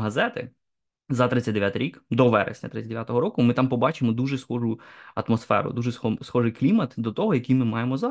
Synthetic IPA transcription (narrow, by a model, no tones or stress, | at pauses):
ɦɐzɛt̪ɪ̰ | zɐt̪ɾɪtt͡sʲɐtʲd̪eʋʲjat̪iɾʲikd̪ɔʋɛ̰ɾḛsʲnʲɐ̰t̪ɾɪt͡sʲːd̪eʋjat̪ɔɦɔɾɔkʊmɪt̪ɑmpɔbɑt͡ʃɪmɔd̪uʒɛsxɔʒʊɐt̪mɔsfɛ̰ɾʊ̰d̪uʒɛɔsxɔʒɪjklʲimɐt̪d̪ɔt̪ɔɦɔjɐkijmɪmɑjemɔzɑ